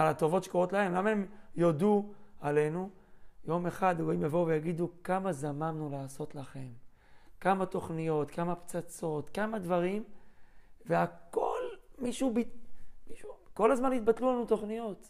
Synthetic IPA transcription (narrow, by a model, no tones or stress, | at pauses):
alat̪o̞vo̞tʃekoʁo̞t̪lahe̞mlamaemjo̞d̪uale̞nu | jo̞meχad̪oimjavouvejaɡid̪ukamazamamnulaːso̞t̪laχe̞m | kamat̪o̞χnijo̞t̪kamapt͡sat͡so̞t̪kamad̪vaʁim | veako̞lmiʃubimiʃuko̞lazmanit̪̚bat̪lulanut̪o̞χnijo̞t̪